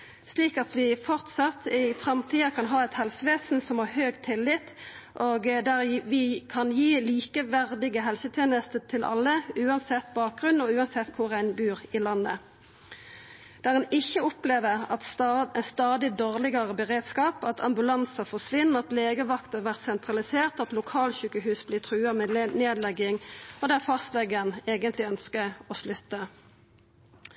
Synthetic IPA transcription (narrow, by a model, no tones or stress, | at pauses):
sliːkɑt̪ʋɪfɔʁt̪sɑt̪ʰːɪfʁɑmt̪ʰiːɑkʰɑnɦɑːɛt̪hɛlsəʋeːsn̩sɔmhɑːhøːɡt̪ʰɪlːɪt̪ | ʔoːɡd̪æʁʋɪkʰɑnjiːliːkəʋæʁd̪ɪɡəɦɛlsət̪ʰjeːnəst̪ət̪ʰɪlʔɑ̰lːəʉːɑnsɛt̪ːbɑːk̚ɡʁʉnːɔʉːɑnsɛt̪ːkʰʊʁæɪnbʉːʁɪlɑnːə̰ | d̪̥æːʁɛnɪçːəɔpleːʋəʁɑt̪st̪ɑːd̪ɪd̪oːʁlɪɡɑʁəbəʁeːd̪skɑːpɑt̪ʰɑmbʉlɑnsɑfɔʂʋɪnːəʁɑt̪leːɡəʋɑkt̪əʋæʁt̪sɛnt̪ʁɑlɪseːʁt̪ɑt̪lʊkʰɑːlçʉːkəhʉːsblɪt̪ʰʁʉːɑmneːd̪lɛɡːɪŋɔd̪æfɑst̪lɛɡəneːɡənt̪lɪœnskəɔslʉt̪ːə